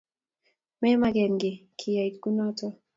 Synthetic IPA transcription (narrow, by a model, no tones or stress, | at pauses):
mɛmaɡɛnɡikʰiaitkunɔtɔ